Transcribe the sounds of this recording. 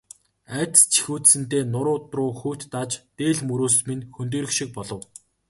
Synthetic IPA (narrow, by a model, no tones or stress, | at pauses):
æːt̪̆st͡ɕʰi̥xuːt̪sɘ̆nt̪eːnʊɾʊːt̪rʊːxuːt̪ːat͡ɕt̪eːɮmɵɾoːsminxɵnt̪̬eːɾɘ̆kʃik̚pɔɮɞ̆w